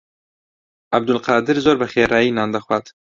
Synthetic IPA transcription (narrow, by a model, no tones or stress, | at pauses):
ʔæb̚d̪ʊlqɑːd̪ɪɾzoːɾbəxeːɾɑːjiːnɑːnd̪ɐxwat̪